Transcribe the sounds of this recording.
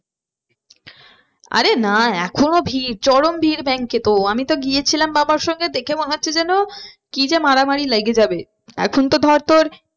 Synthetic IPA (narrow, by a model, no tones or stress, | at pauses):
a̰ɾenaɛ̰kʰonobʱiɾt͡ɕɔɾombʱiɾbɛŋket̪oamit̪oɡiet͡ɕʰilambabaɾʃɔŋɡed̪ekʰemoneɦotːɕʰed͡ʑɛno | kid͡ʑemaɾamaɾilajɡed͡ʑabe | ɛ̰kʰont̪od̪ʱɔɾt̪oɾ